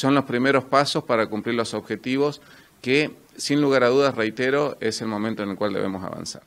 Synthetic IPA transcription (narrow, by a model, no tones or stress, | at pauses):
so̞nlo̞spɾime̞ɾo̞spaso̞spaɾakumpliɾlo̞soβxe̞t̪iβos | ke | sinluɣaɾaðuðasrejt̪eɾo̞ese̞lmo̞mẽnt̪onelkwald̪e̞̰βḛmo̞sa̰βa̰nsa̰ɾ